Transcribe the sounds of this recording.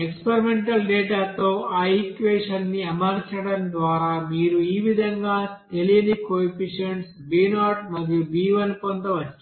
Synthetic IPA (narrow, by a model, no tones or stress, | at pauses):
ekspeɾimeɳʈɐlɖeːʈaːt̪oːʔaːikʋeːʂɐnːiɐmɐɾt͡ʃɐɽɐmd̪ʋaːɾaːmiːɾuiːʋid̪ʱɐŋɡaːt̪e̞lijɐnikoːifiʂɐɳʈs | biːnaːʈmɐd̪ijubiːʋɐnpond̪ɐʋɐt͡ʃːi